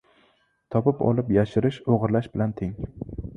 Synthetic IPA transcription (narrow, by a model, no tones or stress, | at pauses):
t̪ʰɒpɪpɒ̰lˠɪpjaʃɪɾɪʃoʁɾlaʃbɪlant̪ʰeŋ